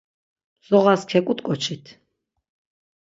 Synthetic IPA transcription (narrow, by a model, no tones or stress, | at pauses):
z̥ɔʁaskʰɛkʼut̪ʼkʼɔt͡ʃʰit̪ʰ